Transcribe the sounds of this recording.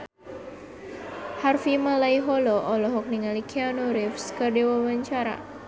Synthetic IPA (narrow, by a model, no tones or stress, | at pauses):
harfimalaiɦɔlɔʔɔlɔɦɔk̚niŋalikʰianɔɾɪfskərdiwawaɲt͡ʃaɾa̰